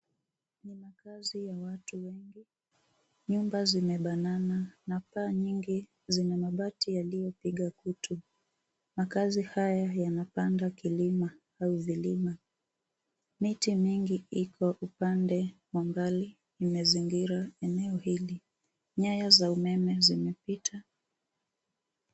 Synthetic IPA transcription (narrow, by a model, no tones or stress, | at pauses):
nimakazijawatuwɛŋɡi | ɲumbazimɛɓanananapaːɲiŋɡi | zinamaɓatijalijɔpiɠakutʰu | makazihajajanapandakilima | auvilima | mitimiŋɡiikʰɔʔupandɛ | wambaliː | mɛziŋɡiɾaɛnɛɔhili | ɲajazaumɛmɛzimɛpitʰa